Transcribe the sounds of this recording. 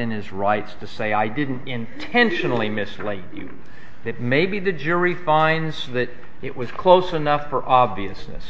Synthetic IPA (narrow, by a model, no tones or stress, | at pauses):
ɨ̃nɨzɹaɪtstʰɨseɪaɪdɪdⁿn̩tɪ̃ntʰɛ̃nʃɨnl̩ˠimɨsleɪdɨ̰ | ɨt̚meɪbiðɨd͡ʒʊɹifãɪ̃ndzðɨɾ | ɨʔwʔʌz̥kʰl̥oʊsənʌfə˞ʔɑbviɨsnɨ̰s